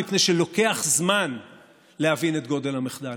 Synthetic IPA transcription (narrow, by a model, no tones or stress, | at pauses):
ipne̞jʃelo̞ke̞aχzman | lehavinet̪̚ɡo̞d̪e̞lhameχd̪al